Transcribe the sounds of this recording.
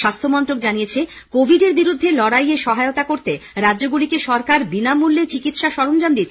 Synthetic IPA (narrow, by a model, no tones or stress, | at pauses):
ʃast̪ʰomɔnt̪ɾok̚d͡ʑanijet͡ɕʰe | kobʱiɖeɾbiɾud̪ʱːelɔɽajeʃɔɦaeot̪akoɾt̪eɾadːd͡ʑoɡulikeʃɔɾkaɾbinamulːet͡ɕikit̪ʃaʃɔɾond͡ʑand̪it̪